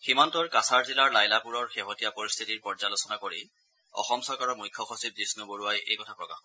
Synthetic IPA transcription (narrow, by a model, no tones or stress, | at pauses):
ximantɔɹkasaɹzilaɹlajlapuɹɔɹxeɦotijapoɹist̪ʰitiɹpɔɹzalosɔnakoɹḭ | ɔ̰xɔmsɔɹkaɹɔmujkʰːɔxosip̚disnuboɹuajḛjkɔtʰapɹɔkax